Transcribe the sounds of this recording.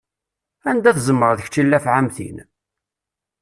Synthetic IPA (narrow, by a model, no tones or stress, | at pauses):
ænd̪æθzəmːəɾˤðəçt͡ʃːilːæfʕamθḭn